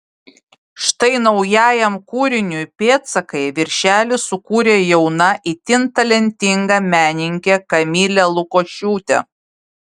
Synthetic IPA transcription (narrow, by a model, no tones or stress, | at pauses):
ʃt̪ɐɪnɒʊjæːjɛmkuːɾʲɪnʲʊpʲeːt̪sɐkɐɪʋʲɪɾʲʃʲæːlʲɪsʊkuːɾʲeːjɛʊnɐʔit̪ʲɪnt̪ɐlʲɛnʲt̪ʲɪŋɡɐmʲæːnʲɪŋʲkʲɛkɐmʲiːlʲɛlˠʊkoːʃʲuːt̪ʲɛ̰